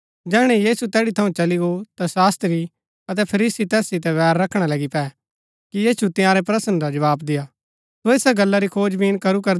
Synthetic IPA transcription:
d͡ʒɛːɽ̃ɛ̃jiːsut̪ɛːɽit̪ʰɐũt͡ʃɐliɡot̪asaːst̪ɾi | ɐt̪̬ɛpʰɐɾiːsit̪ɛːsːɪt̪ɛʋɛːɾːɐkʰɽ̃alɐɡipɛː | kijiːsut̪ɪ̃jãːɾɛpɾɐsənɾad͡ʒɐʋaːbd̪ɪja | soɪsaɡɐlːaɾikʰoːd͡ʒbiːnkɐɾukɐɾ

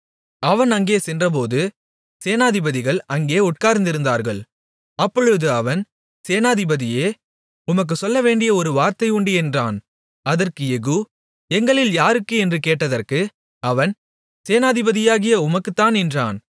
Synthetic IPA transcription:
ɐʋɐnɐŋɡeːsɛndrɐp̬oːðɯ | seːnaːðɪbɐðɪɣɐɭɐŋɡeːʊʈ̚kaːɾnd̪ɪɾɯnd̪aːɾɣɐɭ | ɐpːɔɻɯðɯɐʋɐn | seːnaːðɪbɐðɪjeː | ʊmɐk̬ːɯsɔlːɐʋeːɳɖɪjɐɔɾɯʋaːɾt̪ɐɪuːɳɖiɛndraːn | ɐðɐrkɯɛɣɯ | ɛŋɡɐɭɪljaːɾɯkːɯɛndrɯkeːʈːɐðɐrkɯ | ɐʋɐn | seːnaːðɪbɐðɪjaːɣɪjɐʊmɐkːɯt̪ːaːnɛndra̰ːn

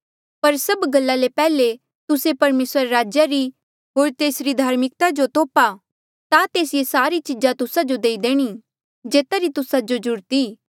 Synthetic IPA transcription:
pɐɾsɐbɡɐlːalepɛːle | t̪ʊsepɐɾmeːsəɾɾaːd͡ʒjaɾi | ɦoːɾt̪eːsɾid̪ʱaːɾmɪk̚t̪ad͡ʒot̪oːpa | t̪at̪eːsɪjesaːɾit͡ʃɪd͡ʒat̪ʊsad͡ʒod̪eːid̪eːɽ̃i | d͡ʒeːt̪aɾit̪ʊsad͡ʒod͡ʒʊɾt̪iː

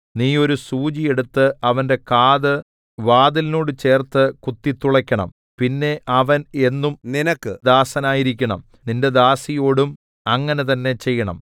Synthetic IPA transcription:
niːo̞ɾusuːd͡ʑije̞ɽut̪ːɨɐʋɐnde̞kaːðɨ | ʋaːðilno̞ːɽɨt͡ɕe̞ːrt̪ːɨkut̪ːit̪ːuɭɐkʲːɐɳɐ̰m | pinːe̞ɐʋɐne̞nːumninɐkːɨd̪aːsɐnaːjiɾikʲːɐɳɐ̰m | ninde̞d̪aːsijo̞ːɽum | ɐŋːɐne̞t̪ɐnːe̞t͡ɕe̞jːɐɳɐ̰m

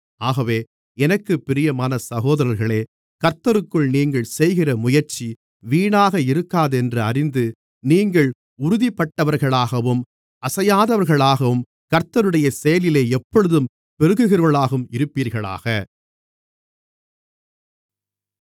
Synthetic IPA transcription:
aːɣɐʋeː | ɛnɐkːɯpːɪɾɪjɐmaːnɐsɐɣoːðɐɾɐɾɣɐɭeː | kɐɾt̪ːɐɾɯkːɯɭniːŋɡɐɭsɛjɣɪrɐmʊjɐɾt͡ʃi | ʋiːɳaːɣɐɪɾɯkːaːðɛndrɯɐɾɪnd̪ɯ | niːŋɡɐɭ | ʊɾʊðipːɐʈːɐʋɐɾɣɐɭaːɣɐʋɯm | ɐsɐjaːðɐʋɐɾɣɐɭaːɣɐʋɯm | kɐɾt̪ɐɾɯɽɐjɐsɛjɐlɪleːɛpːɔɭɯðɯm | pɛɾɯɣɯɣɪrɐɭaːɣɯmɪɾɯpːiːɾɣɐɭa̰ːɣɐ

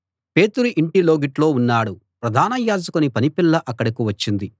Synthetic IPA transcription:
pe̞ːt̪uɾuʔiɳʈilo̞ːɡiʈlo̞ːunːaːɽupɾɐd̪ʱaːnɐjaːd͡ʒɐkunipɐnipilːɐʔɐkːɐɽɐkiʋɐt͡ʃːind̪i

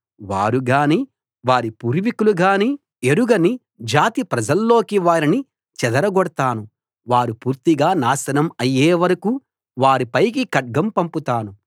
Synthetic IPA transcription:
ʋaːɾuɡaːniː | ʋaːɾipuːɾʋikuluɡaːniː | eɾuɡɐni | d͡ʒaːt̪ipɾɐd͡ʒɐlːo̞ːkiʋaːɾini | t͡ʃɛd̪ɐɾɐɡɔɽɐt̪aːnu | ʋaːɾupuːɾt̪iɡaːnaːsɐnɐmɐjːeːʋɐɾɐkuː | ʋaːɾipɐjk̬ikɐʈ̚ɡɐmpɐmput̪aːnu

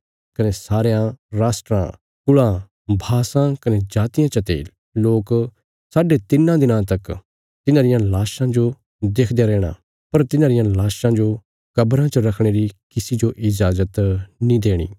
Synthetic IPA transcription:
kɐnesaːɾejãɾaːsʈɾã̰ | kʊɭã | bʱaːsãkɐned͡ʒaːt̪ɪjãt͡ʃɐt̪ḛ | loːk | saːɖet̪ɪnːãd̪ɪnãt̪ɐk | t̪ɪnãɾɪjãlaːʃãd͡ʒo | d̪eːkʰd̪eaɾɛːɽ̃a̰ | pɐɾt̪ɪnãɾɪjãlaːʃãd͡ʒo | kɐbɾãt͡ʃəɾɐkʰɽ̃eːɾikɪsid͡ʒoʔɪd͡ʒaːzət̪nĩd̪eːɽ̃ḭː

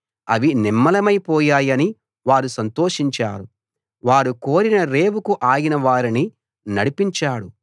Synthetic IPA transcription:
ɐ̰ʋinimːɐlɐmɐjpɔːjaːjɐni | ʋaːɾusɐnt̪o̞ːʂiɲt͡ʃa̰ːɾu | ʋaːɾuko̞ːɾinɐɾe̞ːwukuʔaːjinɐʋaːɾini | nɐɽipiɲt͡ʃaːɽu

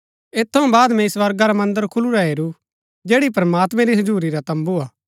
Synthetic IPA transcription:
eːt̪ʰːɐũbaːd̪mɛ̃ɪsʋɐɾɡaɾamɐ̃nd̪əɾkʰʊluɾaɦeːɾu | d͡ʒeːɽip̬ɾɐmaːt̪mɛ̃ɾiɦɐd͡ʒuːɾiɾat̪ɐ̃mbuaː

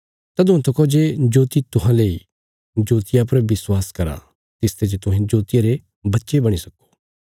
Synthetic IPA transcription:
t̪ɐd̪ʊ̃t̪ʰɐkod͡ʒed͡ʒoːt̪it̪ʊɦãlei | d͡ʒoːt̪ɪjap̬ɐɾʋɪswaːskɐɾa̰ | t̪ɪst̪ʰed͡ʒet̪ʊɦẽd͡ʒoːt̪ɪjaɾe | bɐtːʃebɐɽ̃isɐko̥

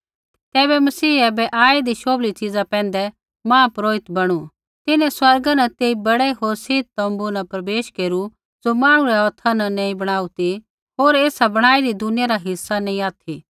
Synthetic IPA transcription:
t̪ɛːbɛmɐsiːɛːbɛʔaːid̪iʃoːblit͡ʃɪd͡zapɛ̃ːnd̪ɛ | mãːpɾoːɪt̪bɐɽ̃u | t̪ɪnɛ̃swɐɾɡanɐt̪eːibɐɽɛɦoːɾsɪːd̪̚t̪ɐ̃mbunɐpɾɐbeːʃkeːɾu | d͡zomãːɽ̃ũɾɛɔːt̪ʰanɐnẽĩbɐɽ̃aːut̪i | ɦoːɾeːsabɐɽ̃aːiɾid̪ʊnɪjaɾaɦɪsːanẽĩaːt̪ʰi

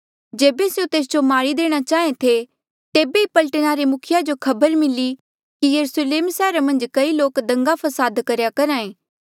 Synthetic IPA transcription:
d͡ʒeːbeseot̪eːs̬d͡ʒomaːɽid̪eːɽ̃at͡ʃaːɦẽt̪ʰe | t̪eːbeipɐlʈəñaɾemʊkʰɪjad͡ʒokʰɐbəɾmɪli | kijɐɾusleːmsɛːɾamɐ̃nd͡ʒkɐiloːkd̪ɐ̃ŋɡapʰɐsaːd̪kɐɾjakɐɾaːẽː

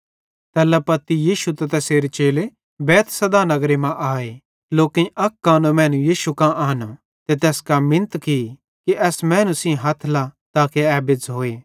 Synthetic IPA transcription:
t̪ɛːlɐpɐt̪ːijiːʃut̪ɐt̪ɛseːɾet͡ʃeːle | bɛːt̪ʰsɐd̪anɐɡɾemãʔaːe | loːkɪ̃ɐkːaːnõmɛ̃ːnujiːʃukãʔaːno | t̪et̪ɛːskamɪ̃nt̪ki | kiʔɛːsmɛ̃ːnusĩɦɐt̪ʰlat̪aːkeɛːbɪd͡zɦoːeː

